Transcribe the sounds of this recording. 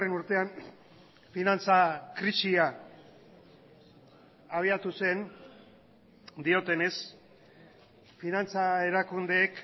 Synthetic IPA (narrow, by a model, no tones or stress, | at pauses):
renuɾt̪e̞an | finant͡sakɾisia | aβ̞iat̪use̞n | d̪io̞t̪e̞ne̞s | finant͡sae̞ɾakund̪e̞ːk